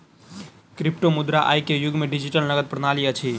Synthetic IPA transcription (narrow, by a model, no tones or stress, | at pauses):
kɾipʈomud̪ɾaʔa̰jkejʊɡmeɖid͡ʒiʈəlnəɡəd̪̚pɾənaliət͡ʃʰi